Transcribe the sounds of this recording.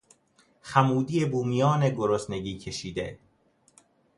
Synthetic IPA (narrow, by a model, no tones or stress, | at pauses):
xæmuːd̪ijebuːmijɒːneɡoɾosne̞ɡiːcʰe̞ʃiːd̪ḛ